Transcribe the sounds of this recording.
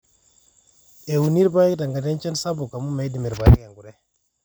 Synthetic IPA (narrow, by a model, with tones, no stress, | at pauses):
e˨wu˨ni˦ɾba˦ji˦kta˨ŋɡa˨de˦nt͡ʃɛ˦nsa˦bu˨ka˨mu˦me˨˦di˨mi˨ɾba˨ji˦ka˨ŋɡu˨ɾe˦